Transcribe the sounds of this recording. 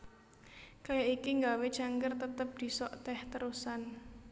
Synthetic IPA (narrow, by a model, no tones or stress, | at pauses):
kajaikiŋɡawed̥ʒ̥aŋkərt̪ət̪əp̚d̪̥i̤sɔʔt̪ɛht̪əɾusan